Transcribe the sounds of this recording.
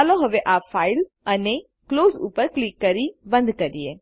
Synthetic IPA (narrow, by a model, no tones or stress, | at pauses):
aloɦəʋeʔafaːil | əne | kloːzṵpəɾklikːəɾibə̃nd̪kəɾie